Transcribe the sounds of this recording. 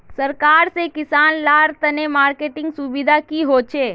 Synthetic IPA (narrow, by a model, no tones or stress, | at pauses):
səɾkaɾsekɪsaːnlaɾt̪ənemaːɾkeʈɪ̃ŋɡsubid̪ʱakiɦot͡ʃʰe